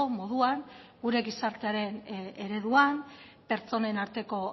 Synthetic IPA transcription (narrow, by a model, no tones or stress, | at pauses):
omo̞ð̞uanɡuɾe̞ɣisaɾt̪e̞aɾe̞ne̞ɾe̞ðuam | pe̞ɾt͡so̞ne̞naɾt̪e̞ko̞